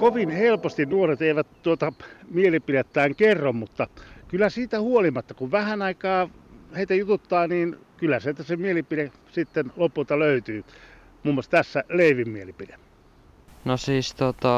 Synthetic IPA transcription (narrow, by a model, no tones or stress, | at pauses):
koʋinhelpost̪innuoret̪eiʋæt̪t̪uot̪ɑmielipidet̪ːæːŋkerːommut̪ːɑkylːˑæsiːt̪æhuolimɑt̪ːɑkuʋʋæhænɑikɑːheit̪æjut̪ut̪ːɑːniːnkylːˑæset̪æsemielipide | sit̪ːenlopult̪ɑløyt̪yː | muːmːɑst̪æsːæleiʋimmielipide | nosiːst̪ot̪ɑ